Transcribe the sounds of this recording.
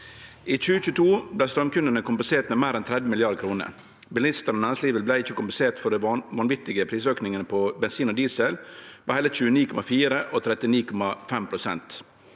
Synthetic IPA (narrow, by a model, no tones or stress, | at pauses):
iːt͡ʃʉːəçʉːt̪ʰuːblæɪst̪ɾœmkʉnd̪ənəkʰʊmpənseːʈmeːmæːɾɛnt̪ʰɾɛd̪əmɪlɪɑɖkʰɾuːnə̰ɾ | bɪlɪst̪əɾnonænɪsliːʋəlblæɪɪçːəkʊmpən̩seːʈfɔɖɛʋɑnʋɪt̪ɪɡəpʰɾiːsøːknɪŋənəpʰɔbɛnsiːnod̪iːsɛlpɑhɛlət͡ʃʉːəniːkʰɔmɑfiːɾəʔot̪ʰɾɛt̪ɪniːkʰɔmɑfɛmpʰɾʊsɛ̰nt̪